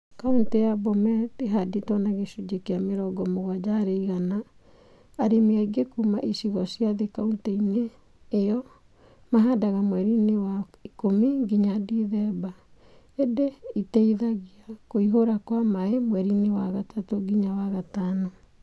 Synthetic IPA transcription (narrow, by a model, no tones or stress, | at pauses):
kauntejabɔmɛdeɦaditwɔnaɣeʃud͡ʒekeameɾɔɡɔmoɣwad͡ʒaːɾeiɣanaː | ɾemiaɡekumaʔiʃiɣɔsiaðekauntɛineː | jɔ | maɦadaɣamwɛɾinewaikomiŋɡiɲadiðɛba | edeitɛiðaɣiakoiɦoɾakwamaemwɛɾinewaɣatatoɡiɲawaɣatanɔ